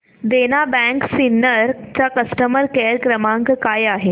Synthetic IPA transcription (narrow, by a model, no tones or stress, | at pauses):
d̪enabɛ̃ŋksinːəɾt͡ɕakəsʈəməɾkeɾkɾəmãŋkkajaɦe